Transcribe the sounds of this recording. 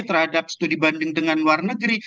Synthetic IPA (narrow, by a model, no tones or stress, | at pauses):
t̪ərɦadap̚sə̥t̪udibandɪŋdəŋanluarnəɡɾi